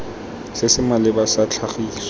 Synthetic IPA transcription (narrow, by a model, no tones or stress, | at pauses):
sɪsɪmalɪbasat͡ɬʰaχiːsɔ